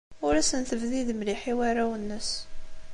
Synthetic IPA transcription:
ʊɾæsənθəvðiðmliħiwaɾawənːəs

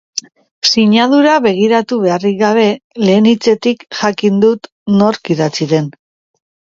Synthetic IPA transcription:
siɲað̞uɾaβe̞ɣ̞iɾat̪uβe̞ariɣaβ̞e̞le̞ːnit͡se̞t̪ikʝakind̪ut̪ | no̞ɾkiðat͡siðe̞n

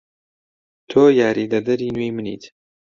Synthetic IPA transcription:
t̪ʰoːjaːɾidɐd̪ɐɾiːnwejmɨnḭːt̪

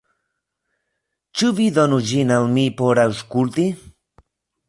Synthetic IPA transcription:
t͡ʃuβid̪onud͡ʒinalmipoɾauskult̪i

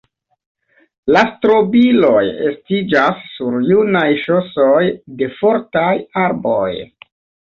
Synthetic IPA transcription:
lastɾo̞bilo̞jḛstid͡ʒasːuɾjunajʃo̞so̞jde̞fo̞ɾtajaɾbo̰j

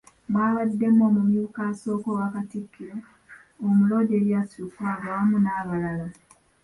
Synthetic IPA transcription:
mwaːβadːemomumiukasoːkowakatikːi | omulodeɾjasukuaβaːmunaːβalala

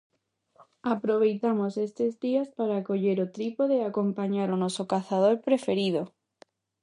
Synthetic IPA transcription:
apɾoβ̞ejt̪amosest̪ezðiaspaɾaːkoʎeɾot̪ɾipoðeakompaɲaɾonɔsokaθað̞oɾpɾefeɾið̞o

